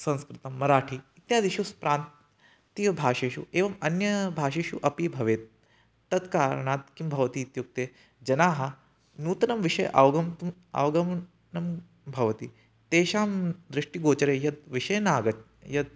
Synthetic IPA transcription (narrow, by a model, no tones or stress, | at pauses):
sɐ̃nskɾɪt̪ɐmːɐɾaːʈʰiit̪jaːd̪iʃuspɾaːnt̪ | t̪ibʱaːʃeːʃṵeːʋɐmɐnjɐbʱaːʃeːʃuʔɐpibʱɐʋeːt̪̚ː | ɐt̪kaːɾɳaːt̪̚kimbʱɐʋɐt̪iːt̪juk̚t̪eː | d͡ʒɐnaːɦɐ | nuːt̪ɐnɐmʋiʃɐjʔɐ̰ʋɡɐmt̪umɐ̰ʋɡɐm | nɐm | bʱɐʋɐt̪i | t̪eːʃaːmd̪ɾɪʂʈiɡoːt͡ʃɐɾeːjɐd̪̚ʋiʃɐjnaːɡɐt͡ʃ | jɐd̪̚